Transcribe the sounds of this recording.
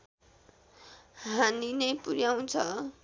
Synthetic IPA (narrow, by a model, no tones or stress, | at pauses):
ɦaninʌjpuɾjaw̃t͡sʰʌ